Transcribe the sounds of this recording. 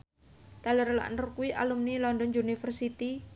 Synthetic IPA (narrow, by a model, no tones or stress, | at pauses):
t̪aləɾla̰ʔnurkuwiʔa̰lumnilɔndɔnunifərsit̪i